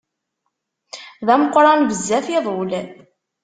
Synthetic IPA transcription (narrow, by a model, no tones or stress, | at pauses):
ðæməqːɾˤɑnvəzːæθiðˤol